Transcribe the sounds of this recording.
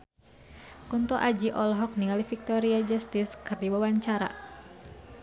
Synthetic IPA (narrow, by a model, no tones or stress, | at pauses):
kunt̪ɔʔad͡ʒiʔɔlɔɦɔk̚niŋalifik̚t̪ɔɾiad͡ʒast̪iskɨrdiwawaɲt͡ʃaɾa̰